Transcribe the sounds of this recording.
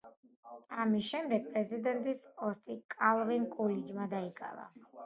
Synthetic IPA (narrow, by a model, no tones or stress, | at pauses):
amisʃɛmd̪ɛɡ̚pʼɾɛzid̪ɛnt̪ʼisɔst̪ʼikʼalˠvinkʼulid͡ʒmad̪aikʼa̰va̰